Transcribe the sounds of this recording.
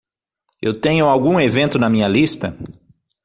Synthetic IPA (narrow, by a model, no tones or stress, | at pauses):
ewt̪ẽɲʊawɡũevẽnt̪ʊnɐmĩɲɐlist̪ɐ